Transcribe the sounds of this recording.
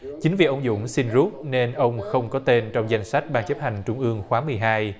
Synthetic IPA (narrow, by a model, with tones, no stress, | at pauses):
t͡ɕi˨˦ŋ̟vḭ˨˩ʔə˧wŋ͡mzʊ̰˧˥ŋ͡msi˧nzu˦˥t̚ne˧nʔə˧wŋ͡mxə˧wŋ͡mkɔ˨˦t̪e˧nt͡ɕɔ˧wŋ͡mza˧jŋ̟sa˦˥jk̚ɓaː˧ŋt͡ɕə˦˥p̚ha˨˩jŋ̟t͡ɕʊ˧ŋ͡mʔɨ˧əŋxwaː˨˦mɨ˨˩əjɦaː˧j